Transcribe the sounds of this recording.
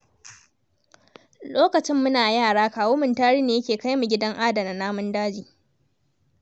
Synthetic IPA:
loː˦kɐ˨t͡ʃɪ˦mːʊ˦naː˨jaː˦˨ɽaː˦kaː˨woː˦mɪ˨ntaː˦ɽiː˦neː˨jɐ˦kʲeː˨ka˦jmu˨ɡʲɪ˦dɐ˦ŋʔa˦dɐ˨na˨naː˦mʊ˦ndaː˦d͡ʒiː˨

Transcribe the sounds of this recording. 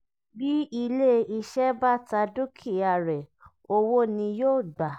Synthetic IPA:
bi˦i˧le˦i˧ʃɛ˦ba˦ta˧du˦kʰi˦˨a˨ɾɛ˨ | o˧wo˦nĩ˧joː˦˨ɡ͡ba˨

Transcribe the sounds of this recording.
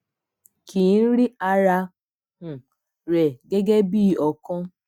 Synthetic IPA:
ki˨n̩˦ɾi˦a˧ɾa˧ | hũ˨ | ɾɛ˨ɡe˦ɡe˦bi˦˨ɔ˨kɔ̃˦

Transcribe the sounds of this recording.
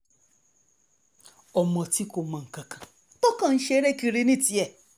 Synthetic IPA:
ɔ˨mɔ̃˧ti˦ko˨mã˨ŋ̩˨kã˨kã˨ | to˦kã˦˨n̩˦ʃe˦ɾe˦ki˧ɾi˦˧nĩ˦˨ti˨ɛ˨

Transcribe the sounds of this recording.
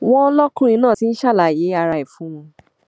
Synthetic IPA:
w̃ɔ̃˦lɔ˦kũ˦ĩ˧nãː˦˨ti˨˦n̩˦ʃa˦˨la˨je˨˦a˧ɾa˧i˨fũ˨˦w̃ɔ̃˧

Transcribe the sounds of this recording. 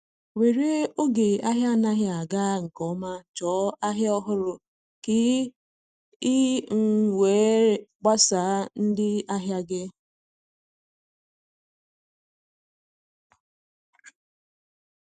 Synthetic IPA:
we˨ɾe˦o˦ɡe˨a˦ɦja˦˨na˦ɦja˦a˨ɡa˦ŋ̩˨kɔ˨˦ma˦t͡ʃɔ˨˦a˦ɦɪ˦ɔ˦ɦʊ˦ɾʊ˨ | kɪ˦ | ɪ˦ŋ̩˨wʷe˨˦ɾɡ͡ba˦sa˨˦n̩˦dɪ˦a˦ɦja˦ɡɪ˦

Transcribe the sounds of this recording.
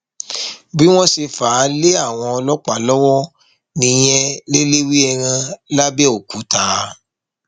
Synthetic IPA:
bi˦w̃ɔ̃˦se˧faː˨˦le˦a˦˨w̃ɔ̃˧ɔ˧lɔ˦k͡pa˦˨lɔ˦wɔ˦ | nĩ˧j̃ɛ˦le˦le˦wi˦ɛ˧ɾ̃ã˧la˦bɛ˦o˨ku˨˦ta˨˦

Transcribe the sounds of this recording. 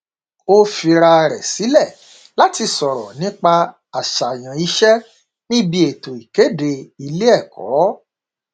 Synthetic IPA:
o˦fi˧ɾa˧ɾɛ˨si˨˦lɛ˦˨ | la˦ti˧sɔ˨ɾɔ˨nĩ˦k͡pa˧ | a˨ʃa˨j̃ã˨i˧ʃɛ˦ | nĩ˦bi˦e˨to˨i˨ke˨˦de˧i˧le˦ɛ˦˨kɔ̰˨˦

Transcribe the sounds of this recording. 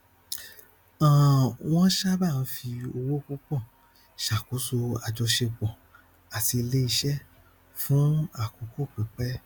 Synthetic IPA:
ã˨w̃ɔ̃˦ʃa˦ba˦˨˦fi˧o˧wo˦k͡pu˦k͡pɔ̃˦˨ | ʃa˨ko˨˦so˧a˧d͡ʒɔ˧ʃe˧ɡ͡bɔ̃˨ | a˨ti˧le˦i˧ʃɛ˦ | fũ˨˦a˨ko˨˦ko˦˨k͡pɛ˨˦k͡pɛ˦

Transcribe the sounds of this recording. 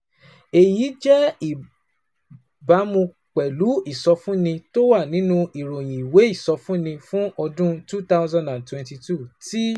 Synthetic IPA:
e˨ji˨˦d͡ʒɛ˦i˦˨ | ba˨˦mõ˧ | k͡pɛ˨lu˨˦i˦˨sɔ˧fũ˦nĩ˧to˦wa˦˨nĩ˨˦nũ˦i˨ɾo˨j̃ĩ˨i˨we˨˦i˦˨sɔ˧fũ˦nĩ˧fũ˦ʔɔ˧dũ˦tu˦ta˦ʊ˦zã˦˨ndã˨ntwɛ̃˨nti˧tu˦˨ti˦

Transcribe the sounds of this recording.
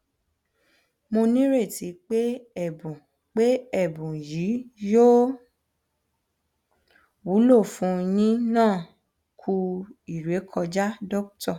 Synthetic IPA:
mo˧nĩ˦ɾe˦˨tʰi˨˦k͡pe˦ɛ˦˨bũ˨ | k͡pe˦ɛ˦˨bũ˨ji˨˦jo˦ | wu˨˦lo˦˨fũ˧˦jĩ˦nãː˦˨ | kʰu˧i˨ɾe˨˦kʰɔ˧d͡ʒa˦dɔ˦ktɔ˦˨

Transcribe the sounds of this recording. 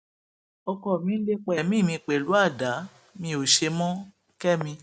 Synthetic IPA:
ɔ˧kɔ˧˨mĩ˦n̩˦le˦k͡pɛ˨mĩ˦˨mĩ˧k͡pe˨lu˨˦a˦˨da˨˦ | mĩ˧o˨ʃe˧mɔ̃˦ | kɛ˦mĩ˧

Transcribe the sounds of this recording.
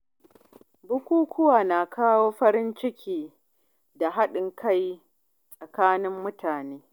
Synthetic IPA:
bʊ˦kʷuː˦kʷʊ˦waː˨na˨kʰaː˦woː˦ɸɐ˦ɾɪ˦nt͡ʃɪ˦kʲiː˨ | da˨ɦa˦ɗɪ˨ŋka˦j | sʼa˨kaː˦nɪ˦mːʊ˦tʰaː˨neː˦

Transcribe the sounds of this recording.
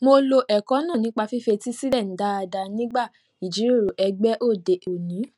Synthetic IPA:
mo˧lo˧ʔɛ˨kɔ̃˨˦nã˦˨nĩ˨˦k͡pa˧fi˦fe˧ti˦si˦lɛ˦˨n̩˨˦da˦a˧da˧nĩ˦ɡ͡ba˦˨ | i˨d͡ʒi˨˦ɾo˦˨ɾo˨ʔɛ˧ɡ͡bɛ˦ʔo˦˨de˨ʔo˨nĩ˨˦

